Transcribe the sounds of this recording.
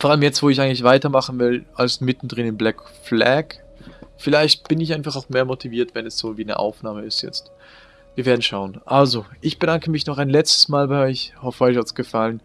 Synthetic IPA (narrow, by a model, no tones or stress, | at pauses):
fɔːɐaləmjɛt͡stv̥oːɪçaɪɡŋtlɪçv̥aɪtɐmaχn̩vɪlʔalsmɪtn̩dʁɪnɪmblɛkflɛk | fɪlaɪçt̚b̥ɪnɪçaɪnfaχaʊxmeːɐmotʰiviːɐtv̥ɛnɛsz̥oːviːnə̰ʔa̰ʊfnaːməɪstjɛ̰t͡st | viːɐveːɐdn̩ʃaʊənʔalzoʔɪçb̥ədaŋkəmɪçnɔχaɪnlɛt͡stə̥smaːlbaɪɔʏçhɔfəɔʏçhatsɡ̥əfalən